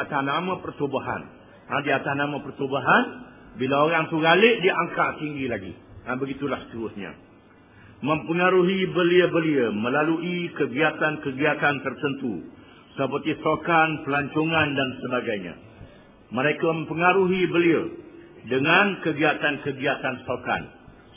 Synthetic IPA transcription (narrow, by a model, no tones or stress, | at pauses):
at̪ahnamãpərt̪obaɦa̰n | ãdiat̪ahnãmãpərt̪obaɦan | bilaoɾaŋt̪uɡalɪʔdiaŋkaʔt̪iŋɡilaɡḭãbəɡit̪ulahst̪əɾʊsɲa̰ | mə̃mpəŋaɾuɦibəliəbəliəmə̃laluʔikəɡiat̪ankəɡiat̪ant̪ərt̪ənt̪u | səpərt̪ist̪okanpəlaɲt͡ʃoŋandansəbaɡajɲã̰ | məɾekamə̃mpəŋaɾuɦibəliədəŋãnkəɡiat̪ankəɡiat̪anst̪oka̰n